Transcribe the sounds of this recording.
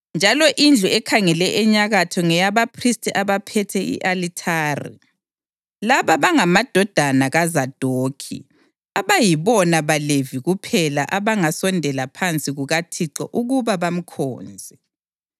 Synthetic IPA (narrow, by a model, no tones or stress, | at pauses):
nd͡ʒʱalɔʔind͡ɮʱuɛkʰaŋɛlɛʔɛɲaɣatʰɔŋɛjaβapʰristʰʼiʔaβapʰɛtʰɛḭʔalitʰaːrḭ | laβaβaŋamad̥ʱɔd̥ʱanaɣazad̥ʱoːkʰḭ | aβajiβɔnaβaleviɣupʰɛla̰ʔaβaŋasɔndʱɛlapʰant͡sʼiɣuɣatʰiǀɔ̰ʔuɣuβaβam̩kʰɔ̰ːnd͡zʱɛ